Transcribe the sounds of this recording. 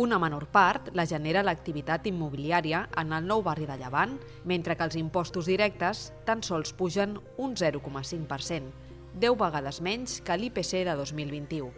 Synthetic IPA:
unəmənoɾpaɾt̪ləʒəneɾələk̚t̪iβit̪at̪imːuβiliaɾiəənəlˠnɔwβariðəʎəβan | ment̪ɾəkəːlˠzimpɔst̪uzðiɾɛk̚t̪əst̪ənsɔlˠspuʒən | unzɛɾukɔməsiŋpəɾsen | d̪ɛwβəɣ̞að̞əzmɛɲʲskəlipeseðəðozmilˠβint̪iu

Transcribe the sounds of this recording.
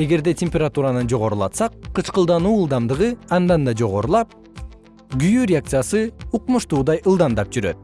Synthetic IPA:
e̞ɡe̞ɾd̪e̞tʲemʲpʲeɾat̪uɾanɯnd͡ʒo̞ʁo̞ɾulˠɑ̰t̪sɑqqʰːɯt͡ʃqɯlˠd̪ɑnuːɯlˠd̪ɑmd̪ɯʁɯɑnd̪ɑnd̪ɑd͡ʒoʁo̞ɾulˠɑp̚ | ɡyjyɾʲɪak̚t̪sɨjasɯuqmuʃt̪uːd̪ɑjʔɯlˠd̪ɑnd̪ɑp̚d͡ʒyɾøt̪̚

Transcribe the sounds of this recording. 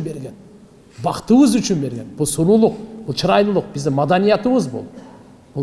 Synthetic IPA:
be̞ɾɡʲen | bɑqt̪əwəzʏt͡ʃɪnbe̞ɾɡʲe̞nbʊlˠsʊɾulˠəq̚b̥ʊlˠʃəɾɑjlˠəlˠəq̚bɪzd̪ɪŋmad̪ɑnijɑt̪əβəzbʊ̰lˠ | bʊ

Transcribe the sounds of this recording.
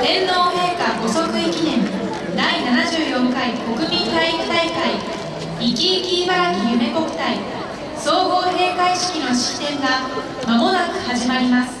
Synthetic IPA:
d̪̥ẽ̞nːo̞ːhe̞ːkaɡo̞so̞kɯ̟ikʲinẽ̞n | d̪ainanaʑɨːjõ̞ŋkaiko̞kɯ̟mʲĩnt̪aiii̥t̪aikai | ikʲiːkʲiːbaɾakʲijɯ̟me̞ko̞kɯ̟̥t̪ai | so̞ːɡo̞ːɦe̞ːkaiɕi̥kʲino̞ɕi̥t̪ːẽ̞ŋɡa | mamo̞nakɯ̟̥haʑimaɾʲimasɨ̥

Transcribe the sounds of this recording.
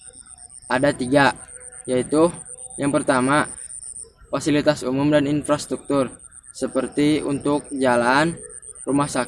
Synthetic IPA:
ʔadat̪iɡaʔ | jait̪u | jaŋpərt̪ama | fasilit̪asumʊmdaninfɾast̪ɾuk̚t̪ʊr | səpərt̪iṵnt̪ʊk̚d͡ʒalan | rumahsak

